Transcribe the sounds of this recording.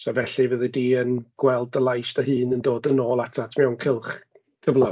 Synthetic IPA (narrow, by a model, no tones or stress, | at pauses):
sɔvɛɬɨvəðɨdiːənɡ̥wɛlˠdəlˠajstəhɨːnəndoːdənoːlˠatʰatʰmiawnkʰɪlˠχ | kʰəvlˠa